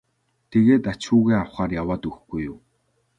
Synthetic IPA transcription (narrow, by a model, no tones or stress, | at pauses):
t̪ʰeɣeːt̪at͡ɕuːɣeːawχaːrjawaːt̪ɵxɡujʊm